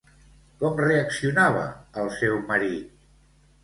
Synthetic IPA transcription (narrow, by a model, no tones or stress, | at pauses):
kɔmreəksiunaβ̞ə̰ːlˠsɛwməɾit̪̚